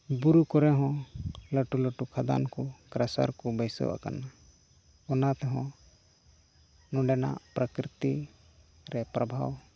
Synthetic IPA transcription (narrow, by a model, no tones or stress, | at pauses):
buɾukɔɾɛɦɔ̃ləʈuləʈukʰad̪a̰nkɔkɾasa̰ɾkɔbəjsɛ̰wa̰ka̰na | ɔnat̪ɛɦɔ̃ | nɔ̃ɖɛna̰pɾəkɾit̪i | ɾɛpɾɐbʱa̰w